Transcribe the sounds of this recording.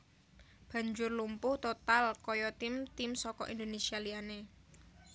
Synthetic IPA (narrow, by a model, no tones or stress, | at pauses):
b̥ä̤ɲd͡ʒʊrlumpʊht̪ot̪alkɔjɔt̪ɪmt̪ɪmsɔkɔ̰ʔind̪onesialiane